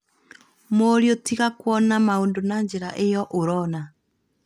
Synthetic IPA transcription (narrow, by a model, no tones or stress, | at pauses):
moɾjotiɣakwɔnamaondonaɲd͡ʒeɾaʔejɔʔoɾɔna